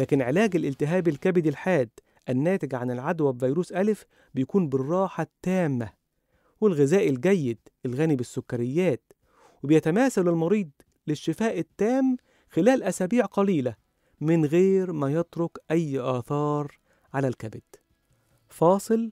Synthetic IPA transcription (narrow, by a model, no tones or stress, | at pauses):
læːkɪnʕelæːɡɪlʔɪlt̪ɪɦæːbɪlkæbɪd̪ilħaːd̪ | ʔænːæːt̪ɪɡʕanɪlʕad̪wæbvijɾuːsʔælf | bɪjækuːnbɪrˤːɑːħɑt̪ːæːmːæ̰ | wɪlɣæzæːʔɪlɡæjːɪd̪ʔɪlɣæːnibɪsːʊkːæɾɪjːæːt̪̚ | wɪbɪjæt̪æmæːsælɪlmɑɾiːd̪ˤ | lɪʃːɪfæːʔɪt̪ːæːm | xɪlæːlʔæsæːbiːʕqɑliːlæ | mɪnɣeːɾmæjet̪ɾokʔæjːʔɑːθɑːɾˤ | ʕalælkæbɪd̪̥ | fɑːsˤɨl